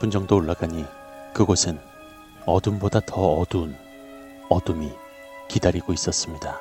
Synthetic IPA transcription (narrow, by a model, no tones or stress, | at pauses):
pʰɯnd͡ʑʌŋdoːɭːaɡaɲi | kɯɡosʰɯn | ʌdumbodatʌʌdun | ʌdumi | kidaɾiɡ̥ois͈ʌs͈ɯmɲida